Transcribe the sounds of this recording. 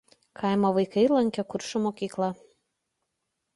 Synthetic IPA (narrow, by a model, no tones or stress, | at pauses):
kʰɑˑɪmoʋɐɪkɐɪlˠɐŋʲkʲɛkʊɾʃomoːkʲiːklˠɐ